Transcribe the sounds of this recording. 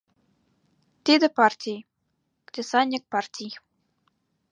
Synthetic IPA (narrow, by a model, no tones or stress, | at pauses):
t̪ʲed̪ɘ̆pɑrtʲij | kd̪ʲesɑnʲːik̚pɑrt̪ʲij